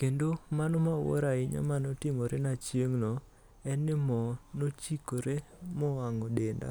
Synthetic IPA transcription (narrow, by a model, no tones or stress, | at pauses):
kendomanɔmawɔ̰ɾaɪɲa̰manɔtɪmoɾenat͡ʃjeŋnɔ | ɛnːɪmɔnot͡ʃikoɾe | mɔaŋɔdenda̰